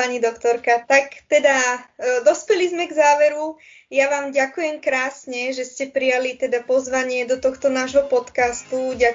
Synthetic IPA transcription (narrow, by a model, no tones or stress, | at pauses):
aɲid̪ɔkt̪ɔɾkat̪akt̪ɛd̪ad̪ɔspɛlizmɛɡzaːʋɛɾu | jaʋaːmɟakujɛmkɾaːsɲɛʒɛscɛpɾijalit̪ɛd̪apɔzʋaɲɪɛd̪ɔt̪ɔxt̪ɔnaːʒɦɔpɔt̪kast̪uɟa